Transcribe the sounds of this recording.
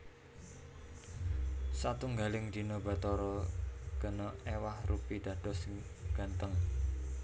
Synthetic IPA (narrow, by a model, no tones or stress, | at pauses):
sat̪uŋɡalɪŋd̪̥i̤nɔba̤t̪ɔɾɔɡ̥ənɔewahrupid̪̥ä̤d̪̥ɔsŋɡ̥ä̤nt̪əŋ